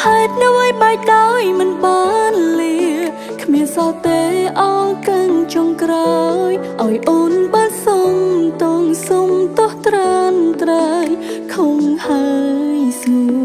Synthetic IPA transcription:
haɛt̪̚nɨwʔajɓaɛk̚ɗaɔjmɨnɓɑnli | kʰmiənsat̪eːʔaːkəŋt͡ɕɔŋkrajʔaɔjʔoːnɓasoŋt̪oŋsomt̪ʊht̪rant̪rəjkʰoŋhaəəjsu

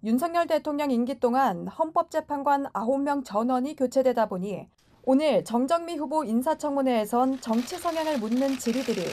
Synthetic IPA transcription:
junsʰʌŋɲʌɭde̞tʰoŋɲʌŋinɡit͈oŋanhʌnp͈ʌp̚t͡ɕ͈e̞pʰanɡwanaɦomːjʌŋt͡ɕʌnwʌɲikjot͡ɕʰe̞dwe̞daboɲi | onɯɭt͡ɕʌŋd͡ʑʌŋmiɸuboinsʰat͡ɕʰʌŋmune̞ːsʰʌnt͡ɕʌŋt͡ɕʰisʰʌŋɦjaŋɯɭmunːɯnt͡ɕiɾidɯɾi

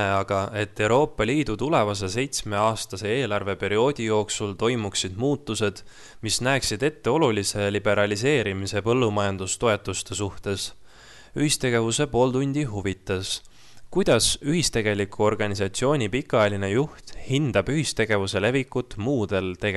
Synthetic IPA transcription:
eɑɡ̥ɑʔe̞t̪ːe̞wɾo̞ːpˑːɑliːd̪̥ut̪ule̞vɑs̬e̞se̞jt̪sme̞ɑːst̪ɑse̞eːlɑrve̞pe̞ɾio̞ːd̪̥ʲijo̞ːksult̪o̞jmuksid̪̥muːt̪ˑːuse̞d̪̥ | misnæːksid̪̥e̞t̪ːe̞o̞lulise̞lib̥e̞ɾɑlis̬e̞ːɾimise̞pɤ̞lːumɑjɑnd̪̥ust̪o̞e̞t̪ːˑust̪e̞suht̪e̞s | yhist̪e̞ɡe̞vuse̞po̞ːlt̪unʲd̪̥iɦuvit̪ːˑɑs | kujd̪̥ɑsyɦist̪e̞ɡ̥e̞likʰuo̞rɡ̥ɑnʲisɑt̪sio̞ːnʲipikːˑjeline̞juht̪hind̪̥ɑb̥yhist̪e̞ɡ̥e̞vuse̞le̞vikːut̪ːˑmuːd̪̥e̞lt̪e̞ɡe

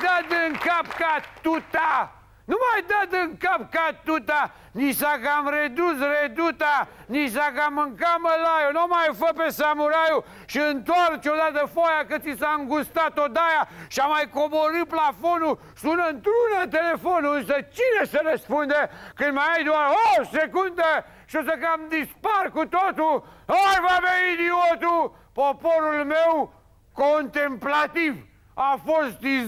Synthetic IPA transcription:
d̪at̪ɨŋkapkat̪ut̪a | numajd̪at̪ɨŋkap̚kat̪ut̪a | nisakamred̪us̬red̪ut̪a | nis̬akamɨŋkaməlajonomajfəpesamuɾaju | ʃəənt̪wɔɾt͡ʃod̪at̪əfojakəsisaəŋɡust̪at̪od̪ajaʃamajkoboɾɨplafonu | sunɐnt̪ɾunɐt̪elefonũsɐt͡ʃiɾɐsɐɾespõnd̪ɐkemaajd̪uaɾɔsekũnd̪ɐ | ʃosɐkamd̪ispaɾkut̪ot̪uajvaβẽid̪iot̪u | pɔpoɾulmew | kõnt̪ẽmplat̪ivu | afoɾst̪i

